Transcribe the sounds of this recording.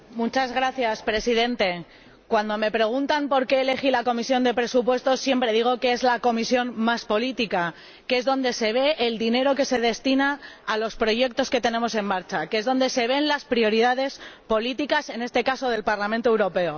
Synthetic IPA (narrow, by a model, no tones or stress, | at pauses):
mut͡ʃazɣɾaθjaspɾe̞sið̞e̞nt̪e̞ | kwand̪o̞me̞pɾe̞ɣ̞unt̪ampo̞ɾke̞ːle̞xilako̞misjo̞nd̪e̞pɾe̞supwe̞st̪o̞sːje̞mpɾe̞ð̞iɣ̞o̞ke̞e̞zlako̞misjo̞mmaspo̞lit̪ika | kee̞zðo̞nd̪e̞se̞β̞e̞ʔːld̪ine̞ɾo̞ke̞se̞ð̞e̞st̪inaːlo̞spɾo̞ʝe̞k̚t̪o̞ske̞t̪e̞ne̞mo̞se̞mːaɾt͡ʃakezðo̞nd̪e̞se̞β̞e̞nlaspɾio̞ɾiðaðe̞spo̞lit̪ikase̞ne̞st̪e̞kaso̞ðe̞lpaɾlamẽnt̪oewɾo̞pe̞o